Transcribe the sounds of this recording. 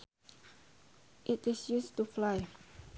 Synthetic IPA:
ʔɪtɪsjustuflaɪ

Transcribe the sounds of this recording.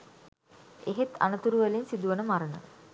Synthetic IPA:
eɦet̪a̰nət̪uɾuʋəlinsid̪uʋənəmaɾənə̰

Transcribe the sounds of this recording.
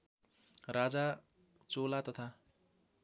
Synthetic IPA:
rad͡za | t͡solat̪ʌt̪ʰa

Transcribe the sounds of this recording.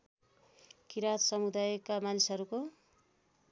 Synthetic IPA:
kiɾat̪sʌmud̪ajkamanisɦʌɾuko

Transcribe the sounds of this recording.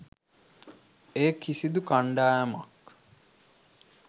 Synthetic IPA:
eːkʰisid̪ukaɳɖaːjama̰k

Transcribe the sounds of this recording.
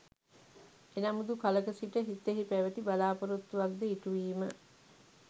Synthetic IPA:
enamud̪ukaləkəsiʈəɦit̪ːeɦipæʋət̪ibalaːpoɾut̪ːuʋak̚d̪əiʈuʋiːmə

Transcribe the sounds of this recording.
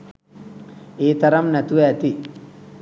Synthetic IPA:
eːt̪ɐɾɐmnɐt̪uʋeɐt̪i

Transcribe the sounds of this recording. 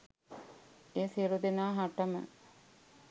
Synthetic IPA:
eːsiɾud̪enaːɦaʈəmə̰

